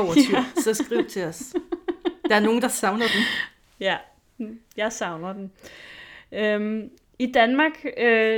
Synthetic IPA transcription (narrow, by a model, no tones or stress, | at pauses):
ɒʊ̰ɐt͡sʰysɒ̽sɡ̥ʁiʊ̰t͡sʰe̝ɒs | d̥ɑ̈æɐno̝ːn̩d̥ɑ̈sɑ̈ʊnɐd̥em | jæ | jɑ̈ɪsɑ̈ʊnɐd̥em | øm | id̥ænmɑ̈ːɡ̥ø